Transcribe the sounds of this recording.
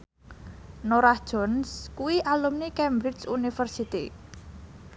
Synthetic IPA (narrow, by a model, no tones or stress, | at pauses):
noɾahd̥ʒ̥ɔnskuwiʔalumnikɛmbɾɪt͡ʃunifərsit̪ḭ